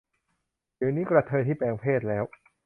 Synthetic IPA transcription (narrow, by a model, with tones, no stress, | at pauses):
diː˨˩˦niː˦˥kɾa˧t̪ʰɤː˧jt̪ʰiː˥˩pɛː˧ŋpʰeː˥˩t̪̚lɛː˦˥w